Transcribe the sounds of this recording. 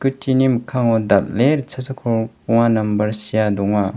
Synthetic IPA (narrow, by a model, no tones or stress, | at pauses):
kutʰinimkʰaŋɔd̪ap̚leɾt͡ʃʰɐsɐkʰɔɾpuŋanɐmbɐɾsijadɔŋa